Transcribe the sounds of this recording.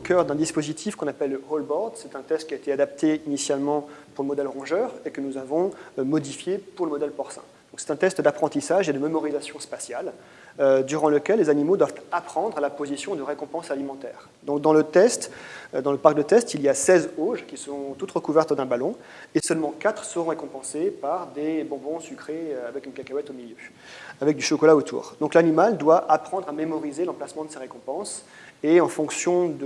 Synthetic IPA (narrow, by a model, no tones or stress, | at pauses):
okʲœʁd̪ɛ̃d̪ispozit̪ʰifkɔ̃napɛlːəolbɔʁd̪sɛt̪ɛ̃t̪ɛst̪̚kʲiaet̪ead̪apt̪ʰeinisjalmɑ̃puʁləmɔd̪ɛlʁɔ̃ʒœʁekənuzavɔ̃mɔd̪ifjepuʁləmɔd̪ɛlpɔʁsɛ̰̃d̪̥ɔ̃ksɛ̥t̪ɛ̃t̪ɛst̪d̪apχɑ̃t̪isaʒed̪əmemɔʁizasjɔ̃spasjal | ød̪yʁɑ̃ləkʲɛlːezanimod̪wavt̪apχɑ̃d̪ʁalapozisjɔ̃d̪əʁekɔ̃pɑ̃salimɑ̃t̪ɛ̰ːʁ | d̪ɔ̃k̚d̪ɑ̃lət̪ɛst̪d̪ɑ̃ləpaʁkd̪ət̪ɛst̪ilijasɛzoʒkʲisəʁɔ̃t̪ut̪ʁəkuvɛʁt̪d̪ɛ̃balɔ̃ | esœlmɑ̃kat̪χə̥səʁɔ̃ʁekɔ̃pɑ̃sepaʁd̪ebɔ̃bɔ̃sykχeøavɛkynkakawɛt̪omiljø | avɛk̚d̪yʃɔkɔlaot̪ʰṵːʁd̪ɔ̃klanimald̪waʔapχɑ̃d̪ʁamemɔʁizelɑ̃plasmɑ̃d̪əseʁekɔ̃pɑ̃s | eɑ̃fɔ̃ksjɔ̃d̪ə